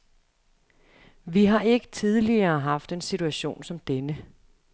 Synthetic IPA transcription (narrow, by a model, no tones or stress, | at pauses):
ʋiɦɑ̈e̝ɡ̥ə̥t͡sʰið̞ˠliɐːɦɑ̈fd̥e̝nsit͡sʰuæɕo̝̰ːnsɒ̽md̥enə